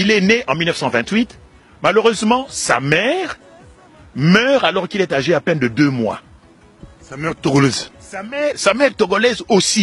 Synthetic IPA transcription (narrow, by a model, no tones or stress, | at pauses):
ilɛneʔɑ̃milnəfsɑ̃vɛ̃t̪ɥit̪ | maløʁøzmɑ̃sa̰mɛʁ | mœʁalɔʁkilɛt̪aʒeapɛnd̪əd̪ømwa̰ | amɛʁt̪oɡlɛzsamɛʁsamɛʁt̪ɔɡɔlɛzosi